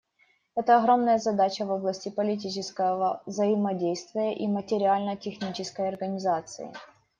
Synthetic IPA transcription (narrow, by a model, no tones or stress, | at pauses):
ɛt̪əɐɣɾo̞mnəjəzɐd̪at͡ɕəvo̞blˠəsʲtʲɪpəlʲɪt̬ʲit͡ɕɪskəvəvzəɪmɐdʲejst̪vʲɪjəʔimətʲɪɾʲɪalʲnətʲɪxnʲit͡ɕɪskəjɐrɡənʲɪzat̪sɨ̰ɪ̰